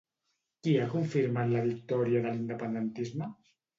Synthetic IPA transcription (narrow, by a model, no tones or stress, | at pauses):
kiakuɱfiɾmat̪laβik̚t̪ɔɾjaðəlind̪əpənd̪ənt̪izmə